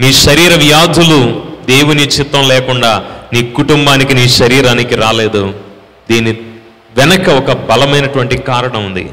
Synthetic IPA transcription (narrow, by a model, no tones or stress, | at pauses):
miːʃɐɾiːɾɐʋjaːd̪ʱulud̪e̞ːwunit͡ʃit̪ːɐmlɛːkuɳɖaːniːkuʈumbaːnikiniːʃɐɾiːɾaːnikiɾaːleːd̪u | d̪iːni | ʋɛnɐkɐɔkɐbɐlɐmɐjnɐʈuʋɐɳʈikaːɾɐɳɐmund̪ḭ